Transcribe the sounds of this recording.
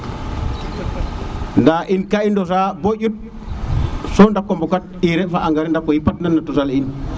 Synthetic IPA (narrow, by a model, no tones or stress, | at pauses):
ndaʔinkaindɔsaboɟut̚ | sɔndakːɔmbɔkat̚iɾɛfaʔaŋɡaɾɛndakːɔjipat̚nanːatusalin